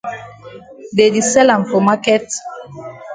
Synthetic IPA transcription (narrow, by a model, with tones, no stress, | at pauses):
de˨di˨sɛ˦lã˨mfɔ˨ma˦kɛ˦t